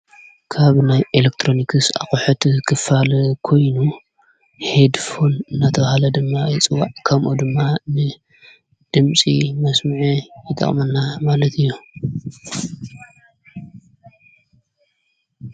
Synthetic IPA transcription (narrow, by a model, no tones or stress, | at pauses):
kʰaβnajʔelek̚t̪ʰɾo̞nikʰɨsa̰χʼʊħut̪kʰɨfalkʰo̞jnu | hed̪fo̞nɨnːat̪ʰɐβahalɐd̪ɨmːajit͡sʼɨwːaʕkʰɐmʔud̪ɨmːanɨ | d̪̥ɨmt͡sʼimɐsmɨʕijɪt̪ʰʼɐ̰χʼmɐnːamalɐt̪ʰɨjːu